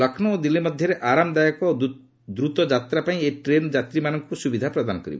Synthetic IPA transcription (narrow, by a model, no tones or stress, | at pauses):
lɔkʰnɔod̪ilimɔd̪ʱjɔɾeʔaɾamɔd̪ajɔkɔ | d̪ɾut̪ɔd͡ʒat̪ɾapaĩeʈɾend͡ʒat̪ɾimanɔŋkusubid̪ʱapɾɔd̪anɔkɔɾḭbɔ